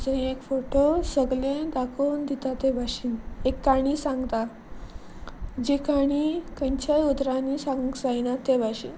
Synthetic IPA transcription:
d͡zəĩekfoʈosəɡlẽd̪akʰownd̪it̪at̪ebʱaɕiːnekːaɽ̃iːsãŋɡt̪a | d͡ʑekaɽ̃ikə̃ɲt͡ɕajud̪ɾãnisãŋɡd͡zajnat̪ebʱaɕin

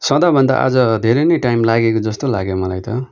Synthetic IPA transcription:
sʌ̃d̪abʱʌnd̪a̰ʔa̰d͡zʌd̪ʱeɾʌnʌjʈajmlaɡekod͡zʌst̪ola̰ɡemʌlajt̪ʌ̰

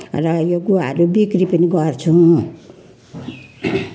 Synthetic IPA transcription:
rʌjoɡuwaɦʌɾubikɾipʌniɡʌrt͡sʰũ

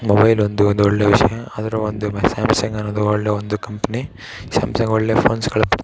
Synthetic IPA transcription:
mobɐjlond̪uond̪uoɭːeːʋiʂɐjɐɐd̪ɐɾɐond̪umsaːmsɐŋɡaːnod̪uoɭːeːond̪ukɐmpɐni | sa̰ːmsɐŋɡoɭːeːpʰoːnskɐɭɐpɐ̥ɽ

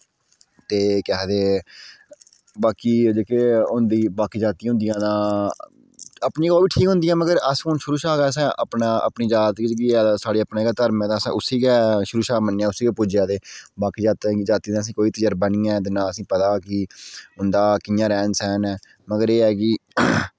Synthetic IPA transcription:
t̪eːkɛːd̪eː | baːkiːd͡ʒekeːʊnd̪iːbaːkiːd͡ʒaːt̪ĩɦʊ̃nd̪ijãːd̪ãː | əpnĩːɡɔːʋiːʈʰiːkɦʊ̃nd̪ijãːməɡəɾəskonʃʊɾuːʃaːɡɛːs̬ɛ̃ːʔəpnaːə̰pniːd͡ʒaːt̪id͡ʒkiːɛːsaːɽeːəpnẽːkaːt̪əɾmɛ̃ːd̪ãːsɛ̰̃ːʔʊsiːɡɛːʃʊɾuːʃaːmənːeːaːʊsiːkɛːpʊd͡ʒãːd̪eːbaːkiːd͡ʒaːt̪ːd͡ʒaːt̪iːd̪ãːs̬ĩːkoːiːt̪əjəɾbaniːɛːt̪̬eːnãːəsĩːpət̪aːkɪɦʊnd̪aːkɪjãːɾɛːnsɛːnɛː | məɡəɾeːɛːkɪ

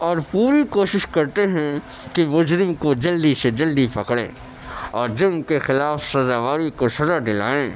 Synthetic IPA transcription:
ɔːɾpuːɾikoːʃɪʃkɐɾt̪eɦɛ̃kimʊd͡ʒɾɪmkod͡ʒɐld̪ised͡ʒɐld̪ipɐkɽḛ̃ː | ɔːɾd͡ʒɪnkexɪlaːfsɐzaːʋaːɾikosɐzad̪ɪla̰ːẽː

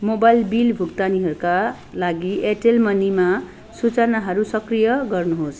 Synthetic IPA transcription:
mobajlbilbʱuɡt̪aniɦʌɾuka | laɡieʈelmʌnima | sut͡sʌnaɦʌɾusʌkrijʌɡʌrnuɦos

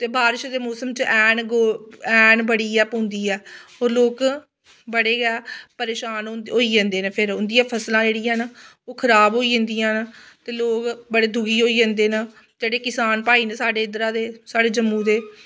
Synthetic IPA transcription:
t̪eːbaːɾɪʃd̪eːmoːsəmt͡ʃʔɛːnɡːɛːɳbəɽiːɛːpõnd̪iːɛːɦoːɾloːk | bəɽeːɡɛːpəɾeːʃaːnɦoːiːd͡ʒãːnd̪eːnepʰɪɾʊ̃nd̪ijãːpʰəslãːd͡ʒeːɽiːãːn | oːkʰəɾaːbɦoːiːd͡ʒə̃ːnd̪iːãːnt̪eːloːkbəɽeːd̪ʊɡiːɦoːiːd͡ʒãːnd̪eːna | d͡ʒeːɽeːkɪsaːnpaːiːneːsaːɖeːɪd̪ɾãːd̪eːsaːɖeːd͡ʒəmːũːd̪eː

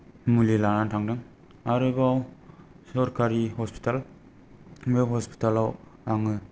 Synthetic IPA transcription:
mulilanantʰaŋdɯŋ | aɾɯbaw | sɔɾkaɾihɔspʰi̥tal | meɦɔspi̥talawaŋɯ

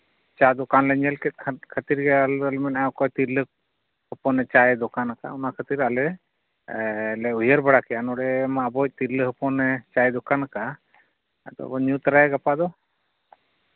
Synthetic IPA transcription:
t͡ʃad̪ɔkanlɛɲɛlkɛt̪̚ˀʰkʰət̪iɾɡɛaləlmɛnajɔkɔjt̪iɾlək̚ | hɔpɔnɛt͡ʃajd̪ɔkanaka̰ɔnakʰət̪iɾalɛ | lɛujəɾbaɽakɛanɔɽɛmabɔc̚ˀt̪iɾləɦəpɔnɛt͡ʃajd̪ɔkanaka | ad̪ɔ̰ɔɲut̪ɾaɡapad̪ɔ

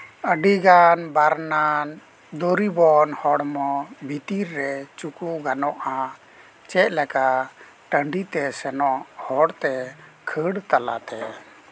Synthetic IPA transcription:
əɖiɡanbaɾnan | d̪oɾibɔnhɔɽmɔbʱit̪iɾːɛt͡ʃukuɡanɔʔã | t͡ʃɛʔlɛka | ʈəɳɖit̪ɛsɛnɔʔhɔɽt̪ɛkʰəɽt̪ala̰t̪ɛ

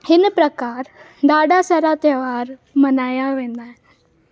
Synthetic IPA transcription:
hɪnpɾɐkaːɾ | ɖaːɖasɐɾat̪əʋaːɾmɐnaːjaʋẽːnd̪aːɦɪ̃

